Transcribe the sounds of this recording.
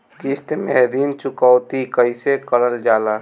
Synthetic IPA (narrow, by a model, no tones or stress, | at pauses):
kist̪mɛɦɾiːnt͡ʃʊkɔwt̪ikəɪsekələld͡ʒaːlaː